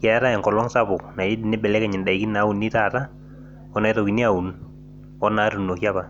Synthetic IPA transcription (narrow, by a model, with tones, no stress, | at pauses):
kɛ˨a˦ɾa˦ɛ˨ŋkɔ˨lɔ˦ŋsa˦bʊ˨kna˨ji˦di˨nɪ˦bɛ˨lɛ˦kɛ˨ɲɪ˨nda˨i˨ki˦na˨˦u˨nːi˦taː˦˨ta˦ | ɔ˦na˨jto˨ki˨ni˦a˨u˨n | ɔ˦na˨˦tu˨no˨kja˦pa˨